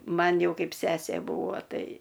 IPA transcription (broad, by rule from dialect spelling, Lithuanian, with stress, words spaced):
ˈmɐn ˈjɛʊ ˈkɐɪp ˈsʲæːsʲeː ˈbuːʋoː ˈtɐɪ